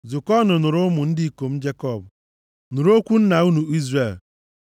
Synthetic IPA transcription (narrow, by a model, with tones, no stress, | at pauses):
zʊ˨kɔ˦nʊ˨nʊ˨ɾʊ˦mʊ˨n̩˦dɪ˦i˦˨ko˨m̩˦d͡ʒe˦kɔ˦˨b | nʊ˨ɾo˦kʷu˦n̩˦na˨u˦nu˨i˦zre˨l